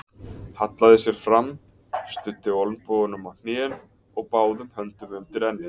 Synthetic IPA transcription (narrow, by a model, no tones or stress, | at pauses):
hat̪laðɪsjɛɾ̥fɾamː | st̪ʏt̪ːɪɔlnpɔːɣʏnʏmawn̥eːn | ɔɣpaːwðʏmhœnt̪ʏmʏnt̪ɪɾɛnːɪ̥